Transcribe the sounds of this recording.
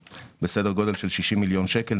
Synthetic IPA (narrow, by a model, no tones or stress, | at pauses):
besedeʁɡo̞de̞lʃelʃiʃimːiljo̞nʃeke̞l